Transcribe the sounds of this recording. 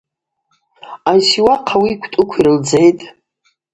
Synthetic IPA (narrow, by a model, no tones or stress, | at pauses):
ajsiwaqʰawiːkʷʰtʼʊkʷʰiɾɨld͡ze̞jtʼ